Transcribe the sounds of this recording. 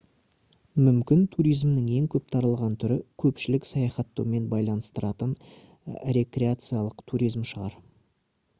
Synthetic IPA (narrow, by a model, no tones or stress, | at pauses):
mʏmkʲɪnt̪ʰuɾijzmnɪŋe̞ŋkʲʰɵp̚t̪ʰɑɾəlˠʁɑnt̪ʰʏɾɪkʲʰɵpʃɪlɪksɑjɑχɑt̪ːɑwme̞nbɑjlˠɑnəst̪əɾɑt̪ən | ɾe̞k̪ɾʲeat̪sɨjalˠəqt̪ʰuɾʲijzmʃəʁɑ̰ɾ